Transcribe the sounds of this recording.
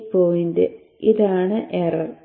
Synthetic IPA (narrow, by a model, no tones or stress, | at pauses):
pːoːjind̪ḛ | ʔiðaːɳɨʔerɐr